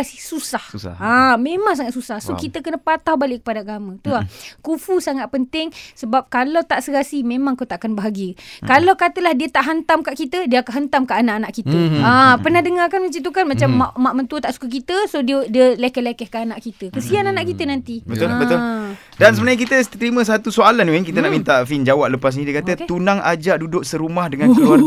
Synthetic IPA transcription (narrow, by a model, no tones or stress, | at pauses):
asisusahamẽmaŋs̬aŋat̪̚susahsokit̪əkənəpat̪awbalɪʔkːə̥padaaɡamə̃t̪uakufusaŋat̪̚pənt̪ɪŋsəbap̚kalawt̪aʔsəkasimẽmãŋkot̪aʔakanbaɦaɡiəkalawkat̪əlahdiət̪aʔɦant̪amkaʔkit̪ədiəakaɦant̪amkaʔanaʔanaʔkit̪əapərnahdəŋarkanmət͡ʃit̪̬ukanmat͡ʃamːaʔmaʔmənt̪uət̪aʔsu̥kak̬it̪əsodiədiəlekɛhlekɛhkaʔːnaʔkit̪əkəsiananaʔkit̪ənant̪ibət̪olbət̪ol | dans̬əbənaɲək̬it̪ət̪əɾimə̃s̬at̪usoalanoikit̪ənaʔmint̪aʔfind͡ʒawaʔləpas̬nidiəkat̪ət̪unaŋa̰d͡ʒaʔdudʊk̚səɾumahdəŋanko